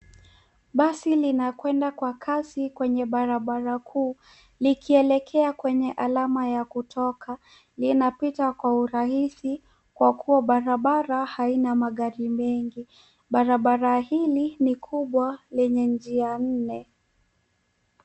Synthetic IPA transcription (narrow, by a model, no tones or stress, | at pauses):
ɓasilinakwɛndakwakʰasikwɛɲɛɓaɾaɓaɾakʰuː | likiɛlɛkʰɛakwɛɲɛʔalamajakutʰɔkʰa | linapitakwauɾahisi | kwakuaɓaɾaɓaɾahainamaɠaɾimɛŋɡi | ɓaɾaɓaɾahilinikʰuɓwalɛɲɛnd͡ʒian̩nɛ